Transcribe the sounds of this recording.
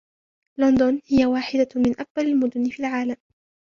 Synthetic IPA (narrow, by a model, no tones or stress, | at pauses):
lɔnd̪ʊnhɪjawaːħɪd̪amɪnʔak̚balalmʊd̪ʊnɪfiːlʕaːlam